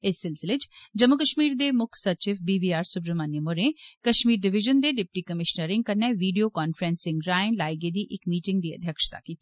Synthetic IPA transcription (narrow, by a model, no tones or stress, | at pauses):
ɪsːɪlsɪlet͡ʃd͡ʒəmʊkəʃmiːɾd̪eːmʊkʰsət͡ʃɪfbiːbiːaːɾsʊpɾəmanjəmoɾẽkəʃmiːɾɖɪʋɪʒənd̪eːɖɪp̚ʈiːkəmɪʃnəɾɪ̃ŋɡ̚kəɾneːʋiːɖijoːkaːnfʰɾɛ̃ːnsɪ̃ŋɡɾaːɪnlaːjɡed̪iːʔɪkmiːʈɪ̃ŋɡd̪iːə̰d̪ʱjəkʃt̪a̰ːkiːt̪ː